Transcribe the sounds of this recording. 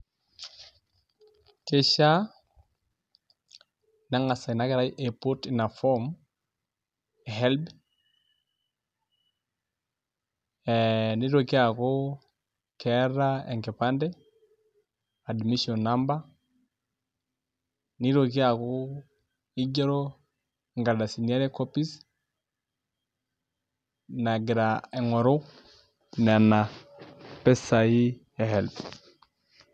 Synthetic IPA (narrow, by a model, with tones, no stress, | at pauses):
ke˦ʃa˦ | na˦ŋa˨sa˨i˨na˦kɛ˦ɾa˦i˦ʔɛ˨po˦tna˨fɔ˦m | ɛ˨ɦɛ˦lb | ni˦ɾo˨ki˦a˨ko˦ | kʰɛɾa˦ɛ̰˨ŋkɛ˨pa˦ndɛ˦ | a˨dmi˦ʃɔ˨na˦mba˦ | ni˦ɾo˨ki˦a˨ko˦ | i˦ɟɔ˦ɾo˦˨ | ŋɡa˨da˨si˨nia˦ɾɛ˦ko˦pi˦s | na˨ɡi˨ɾa˨ɛ˨ŋɔ˨ɾo˦ | nɛ˨na˨ | pɛ˦sa˨i˦ | ɛ˨hɛ˨l